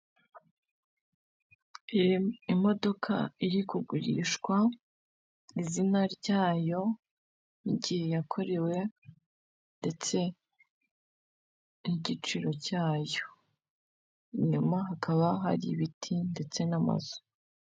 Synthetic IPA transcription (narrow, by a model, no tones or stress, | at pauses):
imo̞do̞kʰa̰iɾikuɡuɾḭʃkwa | izinaɾɟaːjo̞ | iɟihe̞jakʰo̞ɾe̞we̞ | nde̞t͡se̞ | niɟit͡ʃiɾo̞caːjo̞ | iɲumaɦakʰaβaɦa̰ɾḭβitʰinde̞t͡se̞nama̰zu̥